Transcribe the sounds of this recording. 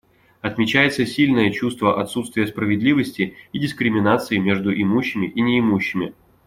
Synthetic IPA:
ɐt̪mʲɪt͡ɕæjɪt̪səsʲilʲnəjət͡ɕust̪vəʔɐt̪sut̪st̪vʲɪjəspɾəvʲɪd̪lʲivəsʲtʲɪidʲɪskɾʲɪmʲɪnat̪sɨɪmʲe̞ʐd̪ʊʔɪmuɕːɪmʲɪʔinʲɪːmuɕːɪmʲɪ

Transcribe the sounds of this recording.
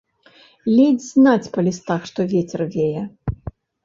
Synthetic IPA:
lʲed͡zʲznat͡sʲpɐlʲist̪axʂt̪ɔvʲet͡sʲɛrvʲejɛ

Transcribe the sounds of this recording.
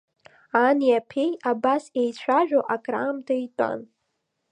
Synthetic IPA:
aniapʰejabasejt͡ɕʷʰaʒᶣoʔakʼra̰ːmtʰaitʼa̰n

